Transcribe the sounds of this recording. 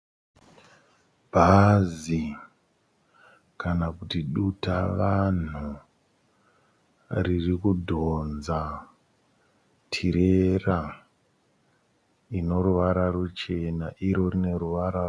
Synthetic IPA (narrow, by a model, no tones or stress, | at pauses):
bʱazi | kanakutiɗutaʋan̤u | ririkudʱo̞nza | tʰiɾera | ino̞ɾuʋaɾarut͡ʃe̞naʔiɾo̞rine̞ɾuʋaɾar